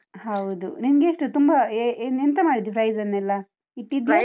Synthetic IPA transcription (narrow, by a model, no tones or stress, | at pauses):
hɐwd̪unimɡeːʂʈut̪umbɐeenent̪ɐmaːɽid̪ipɾɐjzɐnːɛlːɐ | iʈːid̪e